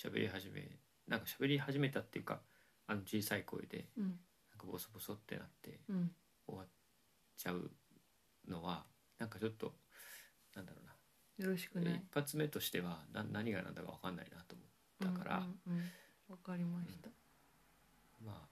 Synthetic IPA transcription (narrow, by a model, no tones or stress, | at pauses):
ɕabe̞̰ɾʲʔʲiɦaʑimḛ | nʔãŋkaɕabe̞ɾʲihaʑime̞t̪at̪ːe̞jɯ̟ːka̰ | ano̞t͡ɕiːsaiko̞̰ḭd̪e̞̰ | nãŋkabo̞sobo̞so̞t̪ːe̞̰nat̪ːe̞̰ | o̞̰βa | t͡ɕaɯ̟ | no̞βa | nãŋkat͡ɕo̞t̪ːo̞̰ | nãnd̪aɾo̞̰ːna | joɾoɕi̥kipːat͡sɨme̞t̪o̞ɕi̥t̪e̞βananːaɲ̟iɡanã̰nd̪akaβakãnːa̰inat̪o̞ːmot̪ːakaɾʔa̰ | akaɾʲimat̪a | maː